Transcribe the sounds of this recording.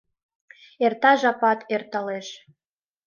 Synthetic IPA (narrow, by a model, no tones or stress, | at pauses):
ert̪ɑʒɑpɑt̪ʰert̪əleʃ